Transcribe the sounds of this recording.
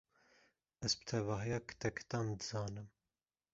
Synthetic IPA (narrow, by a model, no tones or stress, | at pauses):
ɛzbɨ̥t̪ʰɛvɑːɦijɑːkʰt̪ɛkʰt̪ɑːmd̪ɨzɑːnɨm